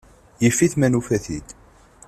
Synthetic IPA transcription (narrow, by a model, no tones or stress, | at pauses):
jəfːiθmænufæθid̪